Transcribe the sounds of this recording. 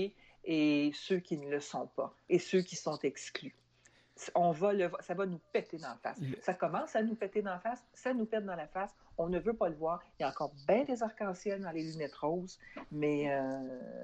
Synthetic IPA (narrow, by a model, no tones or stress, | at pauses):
esøkʲinələsɔ̃pa | esøkʲisɔ̃t̪ɛkskly | sɔ̃valəvwasavanupɛt̪ed̪ɑ̃fa̰sːakɔmɑ̃sanupɛt̪ed̪ɑ̃fasːanupɛt̪̚d̪ɑ̃lafas | ɔ̃nəvøpaləvwaːʁjaɑ̃kɔːʁbɛ̃d̪ezaʁkɑ̃sjɛld̪ɑ̃lelynɛt̪ʁɔːzmɛø